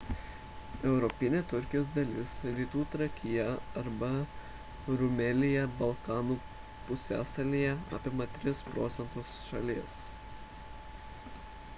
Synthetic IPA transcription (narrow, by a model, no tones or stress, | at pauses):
ɛʊɾɔpʲɪnʲeːt̪ʊɾʲkʲɪjoːsd̪ɐlʲɪsɾʲiːt̪uːt̪ɾɐkʲɪjɛɐɾbɐ | ɾʊmʲɛlʲɪjɛbɐlˠkɑːnuː | pʊsʲæ̰ːsɐlʲiːjɛɑ̰ːpʲɪmɐt̪ʲɾʲɪspɾoːt̪sʲɛnt̪ʊsʃɐ̰lʲiɛs